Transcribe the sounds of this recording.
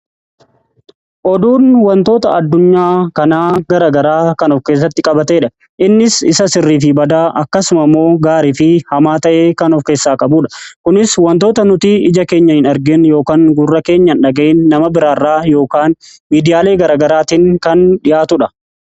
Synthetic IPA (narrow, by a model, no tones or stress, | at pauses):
ʔɔd̪uːnwɐnt̪o̞ːt̪ɐɐd̪ːʊɲːaːkɐnaːɡɐɾaːɡɐɾaːkɐnɔfke̞ːs̬ːɐt̪ːɪkʼɐbɐt̪eːᶑɐ | ʔɪnːɪsɪsɐsɪrːiːfɪbɐd̪aːʔɐkːɐsʊmɐmːo̞ːɡaːɾiːfɪhɐmaːt̪ɐʔe̞ːkɐnɔfke̞ːsːaːkʼɐbuːᶑɐ̥kʊnɪswɐnt̪oːt̪ɐnʊt̪ɪɪd͡ʒɐkeːɲːɐhɪnɐɾɡɪnjo̞ːkaːŋɡʊrːɐke̞ːɲːɐnᶑɐɡɐʔɪnːɐmɐbɪɾaːrːaːjo̞ːkaːnmiːd̪ɪjaːle̞ːɡɐɾaːɡɐɾaːt̪iŋkɐnᶑɪjʔaːt̪ʊᶑɐ̥